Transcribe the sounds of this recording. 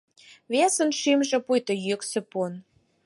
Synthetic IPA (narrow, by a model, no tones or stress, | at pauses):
βesə̆nʃimʒĕpujt̪ojøksĕpun